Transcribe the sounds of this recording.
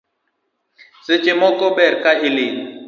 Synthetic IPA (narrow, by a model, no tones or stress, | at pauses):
sɪt͡ʃʼɪmɔkʼɔbɛrkʼaʔɪlɪ